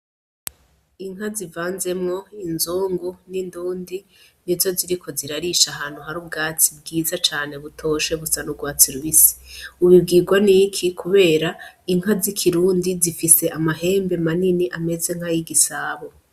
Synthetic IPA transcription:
iŋ̥ɦazivaːnze̞mŋo̞inzuːŋɡuninduːndinizo̞ziɾikʰo̞ziɾaɾiʃaɦaːn̥huɦaɾubɡaːt͡sibɡiːzat͡ʃaːne̞βutʰo̞ːʃeβusanuɡwaːt͡siɾuβisi̥uβibɡiːɡwanikʰikʰuβe̞ːɾaiŋ̥ɦazikʰiɾuːndizifise̞ʔamaɦe̞ːmbe̞maniniʔame̞ze̞ŋhajiɡisaːβo

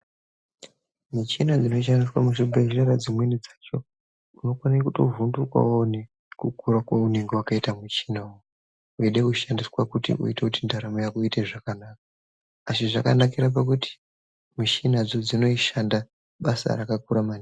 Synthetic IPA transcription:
mit͡ʃinad͡zino̞iʃ̬andiswamuʃumbeʒiraɾad͡zimwenid͡zat͡ʃo̞ | uno̞kwanekuto̰vundukwa̰wone | kukuɾakwaune̞ŋɡewakaitamut͡ʃinao | uiɗekuʃandiswakutḭṵitekutindaɾamojakuiteʐakanaːk̚aː | siʐakanakiɾap̬ak̬utʰi̥ | muʃinad͡zod͡zino̞iʃanda | ɓasa̰ɾakakuɾaman

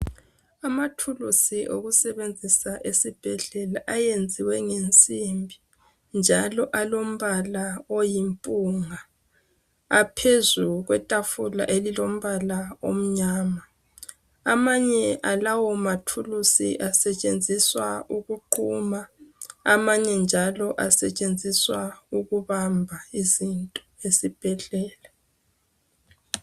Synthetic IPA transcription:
amatʰulusiʔo̰ɣusɛβend͡zʱisaʔesib̥ʱɛɮɛlaʔajend͡zʱiwɛŋent͡sʼimbʱi | nd͡ʒʱalɔʔalom̩βalawojimpʼuŋa | apʰezuɣwɛtʼafula̰ʔelilom̩βalao̰m̩ɲaːma | amaɲɛʔalawɔmatʰulusḭʔasɛt͡ʃʼend͡zʱiswauɣuǃʰuːmaa̰maɲɛnd͡ʒʱalɔʔasɛt͡ʃʼend͡zʱiswauɣuβambʱaizintʼɔesib̥ʱɛɮɛːla

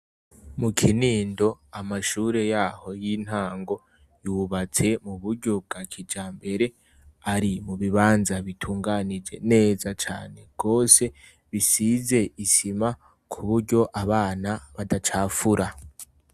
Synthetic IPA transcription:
mukʰiniːndo̞amaʃuːɾe̞jaːho̞jin̥haːŋɡo̞ | juːβat͡se̞muβuɾɟo̞b̚ɡakʰid͡ʒaːmbe̞ɾe̞ | aɾimuβiβaːnzaβitʰuːŋɡanid͡ʒe̞̰ne̞ːzat͡ʃa̰ːne̞ɡ̥o̞ːse̞ | βisize̞isima | kʰuβuɾɟo̞ʔaβaːnaβadat͡ʃaːfuɾa

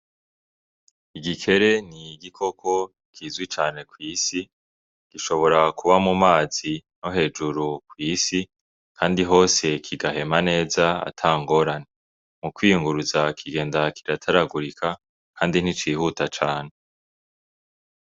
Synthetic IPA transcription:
iɡikʰe̞ɾe̞n̥iɡikʰo̞kʰo̞ | kʰiːzɡwit͡ʃaːne̞kwiːsi | ɡ̥iʃo̞βo̞ɾakuβamumaːzinoɦe̞ːd͡ʒuɾukwiːsi | kʰaːndiɦo̞ːse̞kʰiɡahe̞mane̞ːzaa̰tʰaːŋɡo̞ɾane | mukwijuŋɡuɾuzakʰiɡe̞ːndakʰiɾatʰaɾaɡuɾikʰa | kʰaːndin̥hit͡ʃiːhutat͡ʃaːn̥e̞

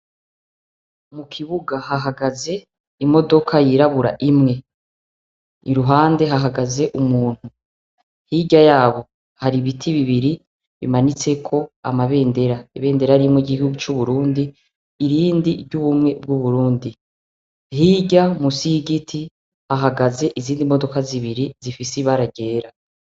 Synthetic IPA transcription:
mukʰiβuɡaɦaɦaɡaze̞ | imo̞do̞kʰajiɾaβuɾa̰ʔimŋe̞ | niɾuɦaːnde̞ɦaɦaɡaze̞ʔumuːn̥hu | hiɟajaːβo̞ | haɾiβitʰiβiβiɾi | βḭmanit͡se̞kʰo̞a̰maβe̞ːnde̞ɾaiβe̞ːnde̞ɾaɾimŋwoɟiihuɡut͡ʃuβuɾuːndiː | ɾiːndiɾɟuβumŋe̞b̚ɡuβuɾuːndi | hiɟamusiɡitʰi | haɦaɡaze̞ʔiziːndimo̞do̞kaziβiɾizifisiβaɾaɟe̞ːɾa

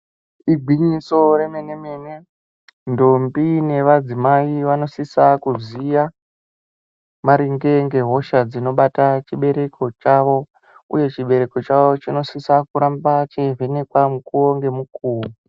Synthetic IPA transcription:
iɡʱwiɲiso̞ɾemene̞mene | ndombine̞ʋad͡zimaiʋano̞sisakuzija | maɾiŋɡe̞ŋɡe̞ɦo̞ʃad͡zino̞ɓatat͡ʃiɓe̞ɾe̞kʰo̞t͡ʃaʋo̞ | ṵje̞t͡ʃiɓe̞ɾe̞ko̞t͡ʃaʋot͡ʃino̞sisakuɾambat͡ʃevene̞kwamukuwoŋɡe̞mukuːwo

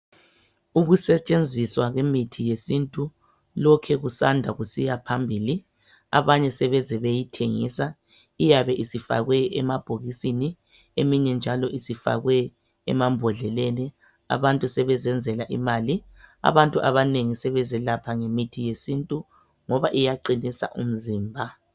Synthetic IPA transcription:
uɣusɛt͡ʃʼend͡zʱiswaɣwemitʰijesintʼu | lɔkʰɛɣusandʱaɣusijapʰambʱiːli | a̰βaɲɛsɛβɛzɛβejitʰeŋḭːsa | ijaβɛʔisifa̰ɣwɛɛmab̥ʱoɣisini | emiɲɛnd͡ʒʱalɔʔisifa̰ɣwɛ̰ː | mambʱɔɮɛlɛnɛ | a̰βantʼusɛβɛzɛnd͡zʱɛlaʔimaːli | a̰βantʼuʔaβaneŋisɛβɛzɛlapʰaŋemitʰijesintʼu | ŋɔβaʔijaǃinisa̰ʔṵm̩ziːmbʱa

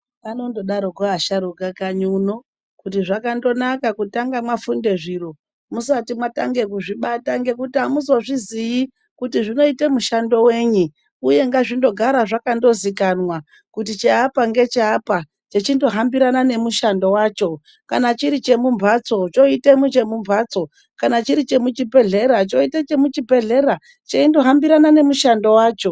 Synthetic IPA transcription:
ano̞ndo̞ɗaɾoɡoaʃaɾukakaɲuno̞ | kutiʐakando̞nakakutaŋɡamwafunde̞ʐiɾo | musatimwata̰ŋɡe̞kuʐiɓataŋɡe̞kutiamuzoʐiziji | kutiʐino̞ite̞muʃando̞we̞ːɲi | uje̞ŋɡaʐindo̞ɡʱaɾaʐakando̞zikanwa | kutit͡ʃeapaŋɡe̞t͡ʃeapa | t͡ʃe̞t͡ʃindo̞ɦambiɾanane̞muʃando̞waːt͡ʃo̞ | kanat͡ʃiɾit͡ʃe̞mumbʱat͡so̞t͡ʃo̞itemut͡ʃe̞mumbʱaːt͡so̞ | kanat͡ʃiɾit͡ʃe̞mut͡ʃibe̞ɮe̞ɾat͡ʃo̞itet͡ʃe̞mut͡ʃibʱe̞ɮe̞ɾa | t͡ʃeindo̞ɦambiɾanane̞muʃando̞waːt͡ʃo̞

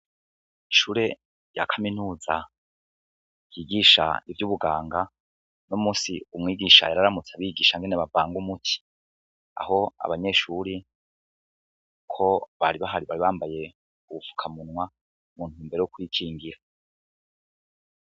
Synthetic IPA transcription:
iʃuːɾe̞ | ja̰kʰaminuːza̰ | jiːɡiʃa̰ivjuβuɡaːŋɡa | nomuːsiumŋiːɡiʃa̰jaɾaɾamut͡saβiːɡiʃaŋɡe̞neβavaːŋɡumutʰi̥ | a̰ho̞a̰βaɲe̞ʃuːɾi | kʰo̞βaɾiβaɦaɾiβaɾiβaːmbaje̞ | uβufu̥kʰamunwa | muːn̥uːmbe̞ɾe̞jokujikʰiːŋɡiɾa

